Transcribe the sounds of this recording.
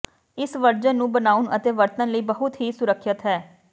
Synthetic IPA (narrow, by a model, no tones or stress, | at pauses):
ɪsʋəɾd͡ʒənːũːbənaːuʊnə̰t̪eːʋəɾt̪ə̃nləiːbəɦʊt̪ɦiːsʊɾəkʰːət̪ɦɛː